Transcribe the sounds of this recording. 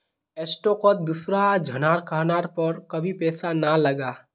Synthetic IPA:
esʈokət̪̚d̪usɾad͡ʒʱənaːɾkəɦnaːɾpəɾkəbʱipɛːsanaləɡa

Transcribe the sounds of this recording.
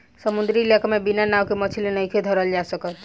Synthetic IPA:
səmund̪ɾilekʰmebinanawkemət͡ʃʰilenəjkʰed̪ʱəɾəld͡ʒasəkət̪

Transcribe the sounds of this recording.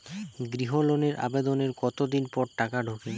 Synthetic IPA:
ɡɾiɦoloneɾʔa̰bed̪oneɾkɔt̪od̪inpɔɾʈakaɖʱoke

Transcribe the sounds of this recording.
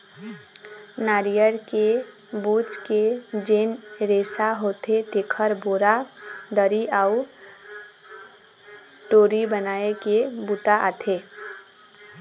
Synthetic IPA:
naːɾijəɾke | buːt͡ʃked͡ʒeːnɾeːsaɦoːt̪et̪eːkʰəɾboːɾad̪əɾiau | ʈoːɾibənaːekebut̪aʔat̪ʰe

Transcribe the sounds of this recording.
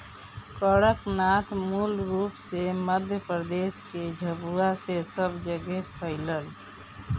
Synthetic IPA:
kəɽəknat̪ʰmulɾuːpseməd̪ʱjəpɾəd̪esked͡ʒʱəbuasesəbd͡ʒəɡɛpʰəɪləl

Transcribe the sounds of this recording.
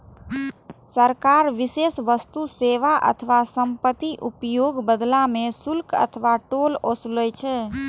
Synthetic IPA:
səɾkaɾʋisesʋəst̪useʋaʔə̰t̪ʰəʋasəmpət̪iʔupjoɡbəd̪lamẽsulkə̰t̪ʰʋaʈolosləjt͡ʃʰɛ

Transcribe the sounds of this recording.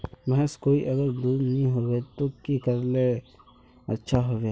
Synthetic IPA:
mɛskoːiʔɐɡəɾd̪uːɾnɐɦĩɦoːwet̪okikɐɾle | ɐ̰tːʃʰaɦoːʋe

